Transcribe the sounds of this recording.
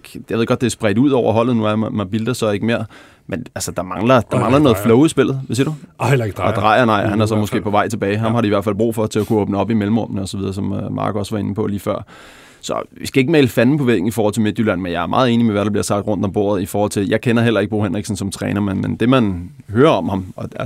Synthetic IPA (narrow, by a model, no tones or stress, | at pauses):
jɑʋeðˠɡ̥ɒ̽d̥d̥e̝sb̥ʁɛd̥uð̞̰ˠɒʊɐɦɒ̽l̰ð̩ˠnuæmɑb̥ild̥ɐsɒ̽e̝ɡ̥əme̝ɐ̰ | mʔenælsəd̥ɑ̈mɑ̈ŋlɐd̥ɑ̈mɑ̈ŋlɐnɔ̽ːð̩ˠflɔʊisb̥e̝l̰ð̞̩ˠʋesid̥u̥ɒd̥ʁɑ̈ɪɐnɑ̈ɪ̰hænæɐsɒ̽mosɡ̥e̝̰ːpʰɒ̽ʋɑ̈ɪ̰t͡sʰeb̥ɛːɪɦɑ̈mhɑɾe̝iʋæɐ̰fæl̰b̥ʁṵːfɒ̽t͡sʰe̝ækʰuoːb̥nəɒ̽b̥imelm̩ʁɔ̽mnəɒ̽sɒʋið̞ˠɐsɒ̽mmɑ̰̈ːɡ̥ɒ̽sʋɑ̈e̝nəpʰɒ̽liːfɶɐ̰ | sɒ̽ʋisɡ̥æe̝ɡ̥əmɛːləfænn̩pʰɒ̽ʋḛːɡ̥n̩ifɔːhɒl̰t͡sʰeme̝d̥ylæn̰menjɑ̈æɐmɑ̈ːð̞̩ˠe̝ːnimeʋæɾɑb̥liɐ̰sɑ̈ɡ̥̚d̥ʁɔ̽n̰d̥ɒ̽mbo̝ɐð̞̩ˠifɒːhɒ̽l̰t͡sʰe̝ljɑ̈ɪkʰenɐɦel̰ɐe̝ɡ̚b̥ʁoːhenʁiɡ̥sn̩sɒ̽mt͡sʰʁɛ̰ːnɐmenmend̥e̝mæn | ɦøːɐɒ̽mhɑ̈mɒ̽